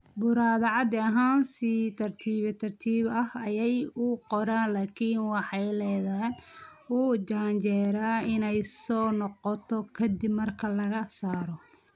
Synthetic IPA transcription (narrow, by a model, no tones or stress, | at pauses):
bʊɾaːðɐʕɑd̪ɪɐɦaːnsit̪ʰɐrt̪ʰiːβɛt̪ʰɐrt̪ʰiːβɐhɐjɛjʊqɔɾaːnlaːkʰiːnwɑħɑjlɛːðaːnuːd͡ʒaːɲt͡ʃɛːɾaːɪnɛjsɔːnɔqɔt̪ʰɔkʰɐd̪ɪbmɐrkʰɐlɐɣɐsaːɾɔ